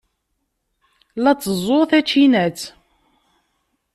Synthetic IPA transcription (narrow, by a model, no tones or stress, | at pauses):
læt͡sːəzˤoθæt͡ʃːinæt͡s